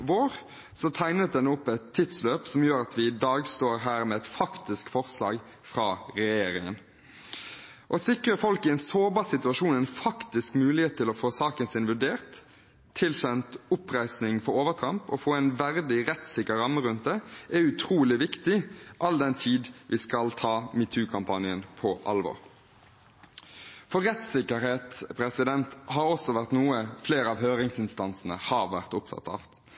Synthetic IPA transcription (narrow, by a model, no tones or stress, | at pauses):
ʋoːʁ | sɔt̪ʰæɪnət̪̚d̪ɛnʊpːɛt̪ʰːiːd̪sløːpsɔmjøːɾɑt̪ʰʋɪd̪ɑːɡst̪oːɾɦæːɾmɛɛt̪fɑkt̪ɪskfɔʁslɑ̰ːɡ | fʁɑːɾɛjeːɾɪ̰ŋə̰n | ʔɔsɪkɾəfɔlkɪɛnsoːbɑːsɪt̪ʉɑʃuːnɛnfɑkt̪ɪskmʉːlɪheːt̪t̪ʰːɪlɔfoːsɑːkənsɪnʋʉɖeːʁt̪ʰː | ɪlɕɛnt̪ʊpʁæɪsnɪŋfɔɾoːʋət̪ʰɾɑmpɔfoːæɪnʋæʁd̪ɪʁɛt̪sɪkəɾɑmːəʁʉnt̪̚d̪ɛʔæʉt̪ʰɾuːlɪʋɪkt̪ɪʔɑld̪ɛnt̪ʰiːd̪ʋʔiskɑlt̪ʰɑːmɪt̪ʰʉːkʰɑmpʰɑnɪənpʰɔʔɑ̰lʋɔ̰ʁ | fɔʁɛt̪sɪkəɾheːt̪pʰɾɛsɪd̪ɛnt̪hɑɾɔsɔʋæʁt̪nuːəfleːɾəɑʋɦøːʁɪŋsɪnst̪ɑnsn̩ə̰hɑʁʋæʁt̪ʊp̚t̪ʰɑ̰t̪ɑ̰f